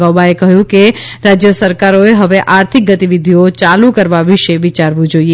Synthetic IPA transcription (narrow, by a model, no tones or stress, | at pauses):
abaekɐɦjũkeɾaːd͡ʒjəsəɾkaːɾoeɦɐʋeʔaːɾt̪ʰɪk̚ɡət̪iʋɪd̪ʱiot͡ʃaːlũkəɾʋaʋɪʃeʋɪt͡ʃaɾʋũd͡ʒoːie